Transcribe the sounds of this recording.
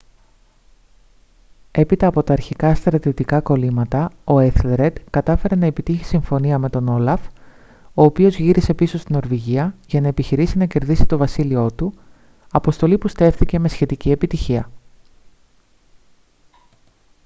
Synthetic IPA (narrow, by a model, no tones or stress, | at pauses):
e̞pit̪ɐːpo̞t̪ɐːɾçikɐst̪ɾɐt̪io̞t̪ikɐko̞limɐt̪ɐo̞eθleɾe̞d̪kɐt̪ɐfe̞ɾe̞nɐe̞pit̪içi̥siɱfo̞niɐme̞t̪o̞no̞lɐf | o̞ːpio̞zʝiɾise̞piso̞st̪ino̞ɾviʝiɐʝɐnɐe̞piçiɾisinɐce̞ɾðisit̪o̞vɐsilio̞t̪u | ɐpo̞st̪o̞lipust̪e̞fθice̞me̞sçe̞t̪icie̞pit̪içiɐ